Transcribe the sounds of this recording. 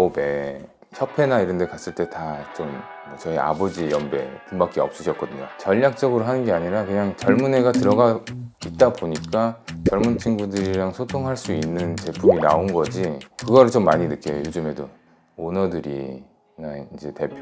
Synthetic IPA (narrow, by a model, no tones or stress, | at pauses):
ome̞ | çʰʌpʰe̞naiɾʌnde̞kas͈ɯɭt͈e̞tat͡ɕom | ʌt͡ɕʌia̰bod͡ʑijʌmbe̞̰pumbak͈iʌp̚s͈ɯɕʰʌt̚k͈ʌdɯɲo̰t͡ɕʌʎːak̚t͡ɕ͈ʌɡɯɾoɦanɯnɡe̞aɲiɾakɯɲaŋt͡ɕʌɭmune̞ɡatɯɾʌɡait̚t͈aboɲik͈at͡ɕʌɭmunt͡ɕʰiŋɡudɯɾiɾaŋsʰotʰoŋɦaɭs͈uinːɯnt͡ɕe̞pʰumina̰onɡʌd͡ʑikɯɡʌɾɯɭt͡ɕomːaɲinɯk͈e̞jojod͡ʑɯme̞do | onʌdɯɾḭ | naind͡ʑe̞te̞pʰ